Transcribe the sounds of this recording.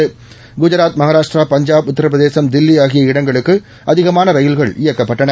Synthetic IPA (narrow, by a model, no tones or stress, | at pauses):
ɯ | ɡʊd͡ʒɐɾaːt̪̚mɐɣaːɾaːʂʈraːpɐɲd͡ʒaːbʊt̪ːɐɾɐp̬ɾɐðeːsɐmd̪ɪlːɪjaːɣɪjɐɪɽɐŋɡɐɭɯkːɯ | ɐðɪɣɐmaːnɐʋɐjɪlɣɐɭɪjɐkːɐpːɐʈːɐɳɐ